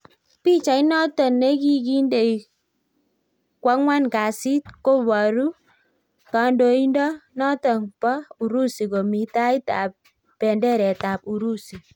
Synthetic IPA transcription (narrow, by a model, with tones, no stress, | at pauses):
pi˦t͡ʃa˨i˦nɔ˦tɔ˨nːe˦k̬i˦ki˦nde˨j | kwa˦ŋwa˦nka˨si˦tko˦βa˨ɾu˦ | ka˨ndo˨i˦ndɔ˦nɔ˦tɔ˨ŋpɔ˦u˨ɾu˦si˨ko˨mi˨ta˦i˦ta̰˨p̚ː | ɛ˨ndɛ˦ɾɛ˨ta˨p̚u˨ɾu˦si˨